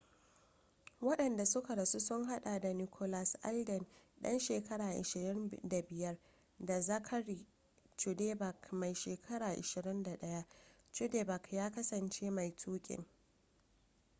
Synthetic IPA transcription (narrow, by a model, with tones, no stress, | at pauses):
wɐ˦ɗɐ˨nda˨sʊ˦ka˨ɾɐ˨su˦sʊ˦ŋɦa˦ɗa˨da˨ni˨kʰo˦la˨sʔa̰˦ldɛ˨nɗɐ̰˦nʃeː˨kɐ˦ɽaː˨ʔɪ̰˨ʃɪ˨ɾɪ˦nda˨bɪ˨jɐ˦r | da˨zɐ˦kʰɐ˦ɽi˨ | t͡ʃu˨de˦ba˨kma˨jʃeː˨kʰɐ˦ɽaː˨ʔɪ̰˨ʃɪ˨ɾɪ˦nda˨ɗɐ˦ja˦ | t͡ʃu˦de˦ba˨kjaː˦kɐ˦sɐ˨nt͡ʃe˦ma˨jtʰuː˦kʲʼɪ̰˨ŋ